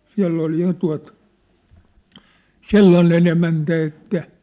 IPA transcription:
siæ̝lː ol jɑ tuɑ̝t selːɑnen emæntæ etːæ

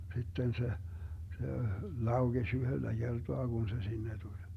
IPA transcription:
sitːen se se lɑuɡ̊esʲ yhølːæ ɡ̊ertoɑ ɡ̊un se sinːe tulʲ

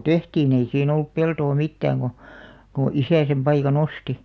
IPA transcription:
tehtiːn ei siːn olːup peltoː mitːæːŋ ɡ̊o ko isæ sem pɑikɑn osti

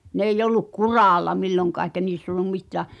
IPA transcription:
n eijˑ olːuk kurɑˑlːɑ milːoŋkɑˑ eĭkæ niːsː olˑum mitˑæˑ

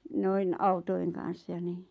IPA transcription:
noin ɑutoi̞ŋ kɑn̞s jɑ ni

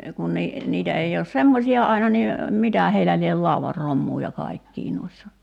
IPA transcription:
kun ni niːtæ ei oːs semːosiɑ ɑinɑ ni mitæˑ heilæ liel lɑuʋɑr romːuː jɑ kɑikːiː nuisːɑ

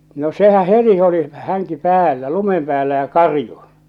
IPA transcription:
no sehæ heti oli hæŋki pæːlːæ lumem pæːlːæ jɑ kɑrju

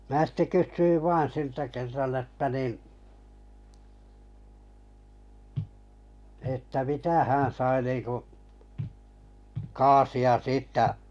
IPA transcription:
mæː sitːe kysːyiʋ ʋɑːn̞ siltæ kerːɑn etːæ nin̞ etːæ mitæ hæ̃ː sɑi niːŋku kɑːsiɑ siːtːæ

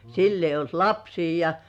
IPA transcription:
silː eijˑ olt lɑpsiː jɑ

